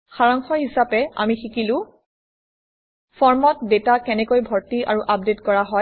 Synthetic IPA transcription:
xaɹaŋxɔɦisapɛa̰mixikilʊ̃ | fʰɔɹmɔt̚detakɛnɛkojbʱɔɹtia̰ɹuʔap̚detkɔɹaɦɔj

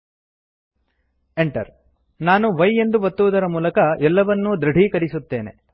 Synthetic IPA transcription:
eɳʈɐ̰ɾ | naːnuʋɐje̞nd̪uʋɐt̪ːuʋːd̪ɐɾɐmuːlɐkɐʔɛlːɐʋɐnːud̪ɾɐɖʱiːkɐɾisut̪ːe̞ːne̞̰

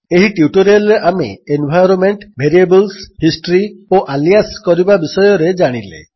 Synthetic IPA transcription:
eɦiʈiuʈoɾeleʔamḛenbʱajɾɔnmeɳʈbʱeɾiebɔlshisʈɾioʔalijaskɔɾibabisɔjɔɾed͡ʒaɽ̃ilḛ

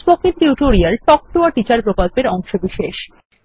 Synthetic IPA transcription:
bɔkinʈiʈoɾialʈɔk̚ʈoaʈit͡ɕaɾpɾokolpeɾɔŋʃobiʃeʃ

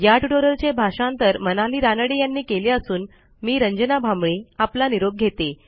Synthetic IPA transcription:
jaʈʈoɾəɾt͡ɕebʱaɕãnt̪əɾmənaliːɾanəɽejanːiːkeleəsuːn | miːɾəɲd͡ʑənabʱamɭiːaplaniɾoɡ̚ɡʱet̪e

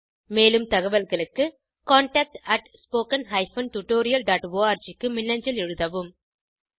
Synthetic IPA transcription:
meːlɯmt̪ɐɣɐʋɐlɣɐɭɯkːɯ | kaːɳʈaːk̚ʈɐʈspoːkɐnɦɐɪfɐnʈuʈːoːɾɪjɐlɖaːʈʋoːaːɾt͡ʃɪkːɯmɪnːɐɲd͡ʒɐlɛɻɯðɐʋɯm

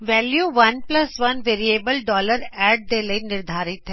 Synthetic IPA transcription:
ʋɛːljuʋɐnplɐsʋɐnʋeːɾieːbəlɖɔːləɾɛːɖ̚d̪eləinɪɾd̪ʱaːɾɪt̪ɦɛː

